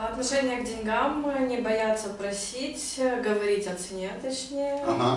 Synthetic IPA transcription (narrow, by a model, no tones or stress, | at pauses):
ɐt̪nɐʂɛnʲɪjəɡ̚dʲɪnʲɡamnʲɪbɐjat̪səpɾɐsʲitʲɡəvɐɾʲitʲɐt̪sɨnʲet̪ɐt͡ɕnʲejjəɦ